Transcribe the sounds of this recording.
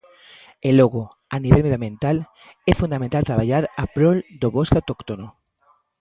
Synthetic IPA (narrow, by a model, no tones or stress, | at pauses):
eloɣo | aniβelmejamjẽnt̪al | esfund̪amẽnt̪alt̪ɾaβaʎaɾapɾold̪oβoskawt̪okt̪ono